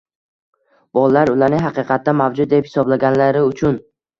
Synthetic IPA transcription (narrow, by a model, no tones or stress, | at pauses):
b̥ɒlˠalaɾʊlaɾnɪŋɦɑqʰɨqʰɑt̪ːamavd͡ʒʊd̪̚d̪e̞phɪ̥sɒblaɡʲanlaɾɪʊt͡ʃʰʊn